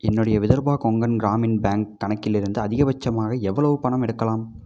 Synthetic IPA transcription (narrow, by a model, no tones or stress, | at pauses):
ɛnːɯɽɐjɐʋɪðɐɾbaːkɔŋɡɐnɡɪɾaːmɪnbaːŋkːɐɳɐkːɪlɪɾɯnd̪ɯɐðɪɣɐʋɐt͡ʃːɐmaːɣɐɛʋːɐɭɐʋɯpɐɳɐmɛɽɯkːɐlaːm